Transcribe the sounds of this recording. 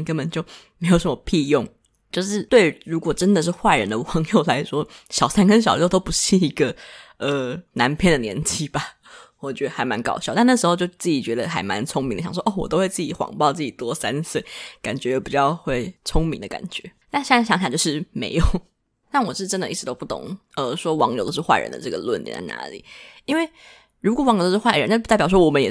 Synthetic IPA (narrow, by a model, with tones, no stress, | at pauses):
kə˧˥nbə˨˩nt͡ɕjo˥˩ʊme˧˥ɪjo˨˩ʊʂə˥mə˧˩pʰi˥˧jʊ˥˧ŋ | t͡ɕjo˥˧ʊʂɻ̩˥˩t̪we˥˩ɪɻu˧˥kwɔ˨˩ʈ͡ʂə˦˥nd̪ə˨ʂ̬ɻ̩˥˧xwa˥˩ɻə˧˥nd̪ə˧ɑ˧˥ŋjo˥˩ʊla˧˥ɪʂwɔ˥ɕjɑ˨˩ʊsa˥nkə˥nɕ̬ɑ˨˩lt̪o˥ʊpu˧˥ʂɻ̩˥˩i˧˥ɡə˧ə˩na˧˥npʰjɛ˥˩nd̪ə˩njɛ̰˧˥nt͡ɕi˥ba˨˩ | wɔ˨˩t͡ɕɥɛ˧˥d̪ə˧˩a˧˥ɪma˧˥nkɑ˨˩ʊɕjɑ˥˩ʊt̪a˥˧nə˥˩ʂ̩ɻxo˧t͡ɕo˥˧ʊt͡sɹ̩˥˩i˨˩t͡ɕɥɛ˧˥d̪ə˧xa˧˥ɪma̰˧˦nt͡sʰʊ˥ŋmi˧˥ŋd̪ə˩jɑ˨˩ʂwʔo˥˩wɔ˨˩t̪o˥ʊxwe˥˧ɪt͡sɹ̩˥˩i˧˥˩xwɑ̰˨˩ŋpɑ˥˧ʊt͡sɹ̩˥˩t͡ɕi˨˩t̪wɔ˥sa˦˥nswe˥˩ɪka̰˨˩nt͡ɕɥɛ˧˥jo˨˩ʊpi˨˩t͡ɕjɑ˥˧ʊxwe˥˩ɪt͡sʰʊ˥ŋmi˧˥ŋd̪ə˧ka̰˨˩nt͡ɕɥɛ̰˧˥na˥˩ɕjɑ˧˥ŋɕɑ˨˩jo˥˧ʊʂɻ̩˥˩me˧˥ɪjo˨˩˦ʊ | na˥˩nwɔ˨˩˥ʈ͡ʂə˥nd̪ə˨ʔi˥˩ʂ̩˧˩t̪o˥ʊpu˥˩t̪ʊ̰˨˩˦ŋə˧ʂwɔ˥wɑ˧˥ŋjt̪o˥ʊ˥ʂɻxwa˥˧ɻə̰˧˦nd̪ə̰˧ʈ͡ʂɤ˥˩ɡə̰˩lwə̰˥˩nḭ˧˩nt͡sa̰˥˩ɪna̰˧˥lḭ˨˩˦i˥nwe˥˩ɪ | ɻu˧˥kwɔ˨˩wŋjt̪o˥ʂ̩˥xwa˥˩ɪɻə˧˦na˥˧˩t̪jɑ˨˩ʂwɔ˥wɔ˨˩mə˦njɛ˨˩